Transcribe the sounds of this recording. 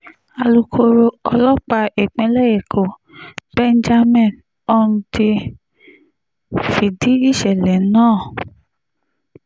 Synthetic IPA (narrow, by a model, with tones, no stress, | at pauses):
a˧lu˧kʰo˧ɾo˧ɔ˧lɔ˦k͡pa˧e˨k͡pẽ˨˦lɛ˦je˨kʰo˨ | b̥ɛ˦n˦d͡ʒa˦mɛ̃˦˨n | ɔ˦nũ˧ti˧ | fi˨di˨˦i˦˨ʃɛ˨lɛ˨˦nãː˦˨